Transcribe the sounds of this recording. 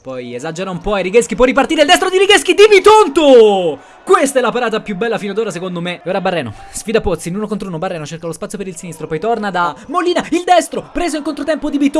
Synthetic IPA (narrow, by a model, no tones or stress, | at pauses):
pɔjezad͡ʒeɾaumpɔajɾiɡeskip̬ɔrːip̬art̪iɾeild̪ɛs̬t̪ɾod̪iɾiɡeskid̪ibit̪ont̪o | kwest̪aɛlːapaɾaːt̪apjubːɛlːafinead̪oːɾasekond̪omeoːɾabarːɛːno̰sfid̪apot̪sːinuːnokont̪ɾouːnobarːɛːnot͡ʃerɾkalospat̪sjopeɾilsinist̪ɾopɔjt̪ornad̪amolːiːnaild̪ɛst̪ɾopɾeːzoiŋkont̪ɾot̪ɛmpod̪ibit̪